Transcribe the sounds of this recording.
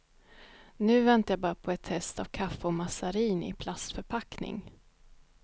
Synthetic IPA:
nʉ̟ːvɛnt̪ajabɑːɾapʰɔɛt̪hɛst̪avkʰafːɛɔmasaɾiːnɪ̰pʰlast̪fœɾpʰaknɪ̰ŋ

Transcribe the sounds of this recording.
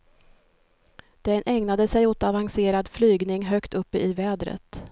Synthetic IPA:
d̪̥ɛnʔɛŋnad̪əsɛjot̪avanseːɾad̪flyːɡnɪŋɦœkt̪ʰɵpːəʔɪvɛːd̪ɾə̰t̪

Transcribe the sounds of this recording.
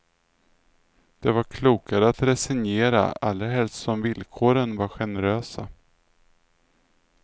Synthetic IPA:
d̪̥ɛvaɾkʰluːkaɾəat̪ɾɛsɛnjeːɾa̰a̰lːɾaɦɛlst̪sɔmvɪlkʰoːɾənvaɾɧɛnəɾøːsa̰

